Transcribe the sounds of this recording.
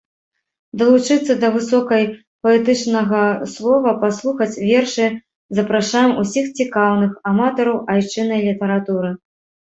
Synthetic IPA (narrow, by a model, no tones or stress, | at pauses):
d̪ɐlˠut͡ʂɨt̪sːɐd̪ɐvɨsɔkɐj | pɐɛt̪ɨt͡ʂnɐɣɐslˠɔvɐpaslˠuxɐt͡sʲvʲɛrʂɨ | zɐpɾaʂajɛmusʲixt͡sʲikawnɨxamat̪ɔɾɐwʔajt͡ʂɨnɐjlʲit̪ɐɾat̪uɾɨ